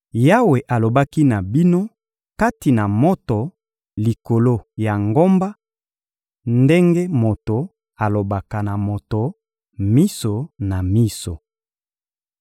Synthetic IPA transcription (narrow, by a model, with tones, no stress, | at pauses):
ja˦we˨ʔa˨lo˨ba˦ki˦na˨bi˦no˦ | ka˦ti˨na˨mo˦to˨ | li˨ko˨lo˦ja˨ŋɡo˦mba˦ | nde˦ŋɡe˦mo˨to˨ | a˨lo˨ba˨ka˨na˨mo˨to˨ | mi˦so˨na˨mi˦so˨